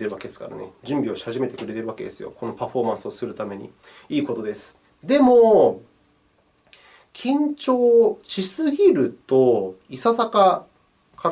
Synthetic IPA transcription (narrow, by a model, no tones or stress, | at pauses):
eɾɯβaked̪esɨ̥ka̰ɾa̰ne̞̰d͡ʑɨ̃mbʲio̞ɕi̥haʑime̞t̪e̞kɯɾe̞t̪e̞ɾɯ̟βake̞d̪e̞sɨjo̞̰ko̞no̞paɸo̞ːmãsɨo̞sɨɾɯ̟t̪ame̞ɲ̟ḭ | iːko̞t̪o̞d̪e̞sɨ̥ | d̪e̞mo̞ | kʲʰĩɲ̟t͡ɕo̞ːt͡ɕisɨçʲiɾɯ̟t̪o̞isasaka | kʰa